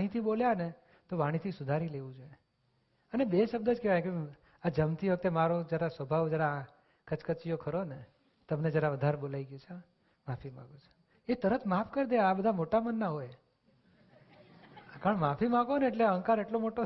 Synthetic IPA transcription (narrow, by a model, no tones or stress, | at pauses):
aɽ̃it̪ʰiɓoljane | t̪oʋaɽ̃it̪ʰisʊd̪ʱaɾileʋũd͡ʒoje | ənebeʃəb̚d̪əd͡ʒkeʋajke | ad͡ʒəmt̪ʰiʋək̚t̪emaɾod͡ʒjaɾasəbʱaʋd͡ʒjaɾa | kət͡ʃkət͡ʃijokʰəɾone | t̪əmned͡ʒjaɾaʋəd̪ʱaɾbolaiɡjot͡ʃʰa | mafimã̰ɡot͡ʃʰe̥ | et̪əɾət̪mapkəɾd̪eabəd̪ʱamoʈamənːaɦoj | kəɳmafimãɡoneːʈleəŋkaɾeʈlomoʈo